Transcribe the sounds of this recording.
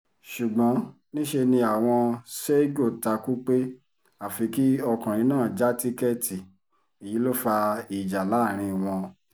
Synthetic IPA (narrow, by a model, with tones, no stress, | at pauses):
ʃu˨ɡ͡bɔ̃˨˦ | nĩ˦ʃe˧nĩ˧a˨w̃ɔ̃˧se˦ɡo˦˨ta˧ku˦k͡pe˦ | a˨fi˨˧ki˦ɔ˧kã˨ɾ̃ĩ˨˦nãː˦˨d͡ʒa˦ti˦kɛ˦˨ti˨ | i˨ji˨˦lo˦fa˧i˨d͡ʒa˨la˨˦˨ɾ̃ĩ˧˨w̃ɔ̃˧